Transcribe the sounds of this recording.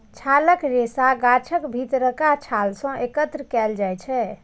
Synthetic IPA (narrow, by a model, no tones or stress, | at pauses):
t͡ʃʰaləkɾesaɡat͡ʃʰəkbʱit̪ɾəkat͡ʃʰalsə̃ʔekət̪ɾəkɛld͡ʒajt͡ʃʰɛ